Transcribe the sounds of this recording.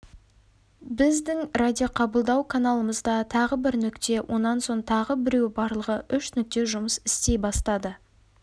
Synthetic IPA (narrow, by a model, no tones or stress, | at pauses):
bɪzd̪ɪŋrad̪ʲijoqʰɑbəlˠd̪ɑwkʰanalˠəməzd̪ɑt̪ʰɑʁəbɪɾnʏkt̪e̞wʔo̞nːɑnso̞ɴt̪ʰɑʁəbɪɾe̞wbɑɾlˠəʁəʔʏʃnʏk̚t̪e̞ʒʊməsɪst̪e̞jbɑst̪ɑd̪ə